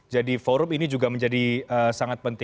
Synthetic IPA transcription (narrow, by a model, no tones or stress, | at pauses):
d͡ʒadifoɾʊminid͡ʒuɡaməɲd͡ʒadiəsaŋat̪̚pənt̪ɪ